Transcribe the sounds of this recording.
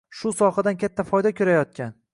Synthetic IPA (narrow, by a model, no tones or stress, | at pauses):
ʃʊsɒhad̪ankʲat̪ʰːafɒjd̪akʲʰoɾajɒt̪̚kʲan